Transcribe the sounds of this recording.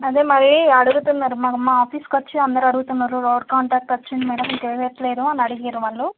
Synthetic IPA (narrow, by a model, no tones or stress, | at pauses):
ɐd̪eːmɐɭːiːɐɽuɡut̪unːaːɾumaːkɐmaːaːpʰiːskɐt͡ʃːiɐnd̪ɐɾuɐɽuɡut̪unːaːɾuɾoːɖkaːɳʈaːk̚ʈɐt͡ʃːunɖimɐːɽɐmikeːʋeːt̪ːɐleːd̪uɐnɐɽiɡijɐːɾuʋɐɭːu